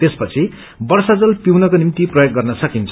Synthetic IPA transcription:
t̪espʌt͡sʰi | bʌrsad͡zʌlpiwnʌkonimt̪iprʌjok̚ɡʌrnʌsʌkint͡sʰ

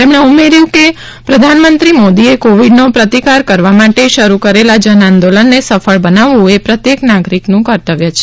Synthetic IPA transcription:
t̪emɳ̃eumeɾjũke | pɾəd̪ʱanmənt̪ɾimod̪iekoʋiɖnopɾət̪ikaɾkəɾʋamaʈeʃəɾukəɾelad͡ʒənãnd̪olənːesəfʰəɭbənaʋũepɾət̪jeknaɡɾiknũkəɾt̪əʋjat͡ʃʰe̥

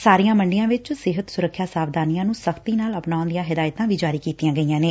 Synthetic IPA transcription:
saːɾɪjãːməɳɖɪjãːʋɪt͡ʃsɪɦət̪sʊɾəkʰːjaːsaːʋd̪aːnijãːnũːsəkʰt̪iːnaːləpnaːõnd̪ɪjãːɦɪd̪aːjt̪ãːʋiːd͡ʒaːɾiːkiːt̪ɪjãːɡəijãːneː

